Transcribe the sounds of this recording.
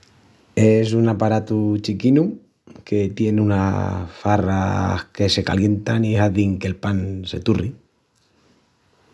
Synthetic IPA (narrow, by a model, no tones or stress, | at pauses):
e̞s̬unapaɾat̪ut͡ʃikinu | ke̞t̪je̞nuna̰fara̰hke̞se̞ka̰lje̞nt̪aniɦaðiŋke̞lpanse̞̰t̪uri